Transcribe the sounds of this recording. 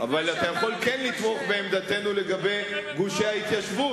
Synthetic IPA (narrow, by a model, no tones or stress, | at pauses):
avalat̪ajaχo̞lke̞nlit̪mo̞χbe̞ːmd̪at̪e̞nule̞ɡabe̞jɡuʃehait̪jaʃvu